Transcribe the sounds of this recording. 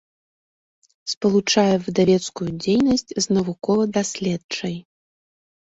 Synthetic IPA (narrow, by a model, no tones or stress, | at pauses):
spɐlˠut͡ʂajɛvɨd̪avʲɛt̪skujud͡zʲejnɐsʲt͡sʲznɐvukɔvɐd̪asʲlʲɛt̪t͡ʂɐj